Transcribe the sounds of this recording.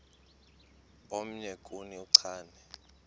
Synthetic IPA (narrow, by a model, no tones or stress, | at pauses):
om̩ɲekʼuniuǀʰaːnɛ